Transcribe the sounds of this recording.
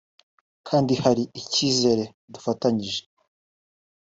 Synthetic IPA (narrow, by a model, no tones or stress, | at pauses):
kʰaːndihaɾiiciːze̞ɾe̞ | dufataɲiʒe̞